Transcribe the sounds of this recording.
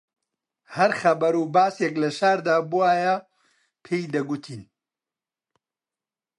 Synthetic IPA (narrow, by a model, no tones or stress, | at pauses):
hɐɾxɐbɐɾuːbaːsjeklɐʃaːɾd̪aːbuwaːjɐ | pʰeːjd̪ɐɡut̪ʰiːn